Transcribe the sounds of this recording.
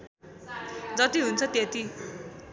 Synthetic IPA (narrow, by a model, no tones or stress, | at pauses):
d͡zʌt̪iɦunt͡sʰʌt̪et̪i